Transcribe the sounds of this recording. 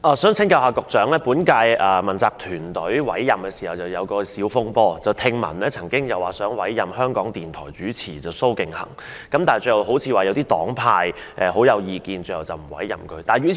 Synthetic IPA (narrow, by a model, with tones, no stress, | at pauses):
ʔaː˨˩sœː˨˥ŋt͡sʰɪ˥ŋka˧whaː˨˧kʊ˨k̚t͡sœː˨˥ŋlɛː˥puː˨˥nkaː˧jʔɐ˨˩mɐ˨˩nt͡saː˨k̚t̪ʰyː˨˩nt̪ɵ˨˥ɥwɐ̰˨˥jːɐ˨mkɛ˧siː˨˩hɐ˨wt͡sɐ˨wjɐ˨˧wkɔː˧siː˨˥wfʊ˥ŋpɔː˧t͡sɐ˨wt̪ʰɪ˧ŋmɐ̰˨˩nɛː˥t͡sʰɐ˨˩ŋkɪ˥ŋjɐ˨waː˨sœː˨˥ŋwɐ˨˥jːɐ˨mhœː˥ŋkɔː˨˥ŋt̪iː˨nt̪ʰɔ̰ː˨˩jt͡syː˨˥t͡sʰiː˨˩t͡sɐ˨wso˥wkɪ˨ŋhɐ̰˨˩ŋ | kɐ˨˥mt̪aː˨˩t͡sɵ˧jhwɦo˨˥wt͡sʰiː˧waː˨˩jɐ˨˧wt̪iː˥t̪ɔː˨˥ŋpʰaː˧j | ʔɛː˨ho˨˥wjɐ˨˧wjiː˨˧kiː˨˧nt͡sɵ˧hɐ˨˩wt͡sɐ˨wm̩˨˩wɐ̰˨˥jːɐ̰˨˩mkʰɵ˨˧ɥt̪aː˨˩jyː˨˧˥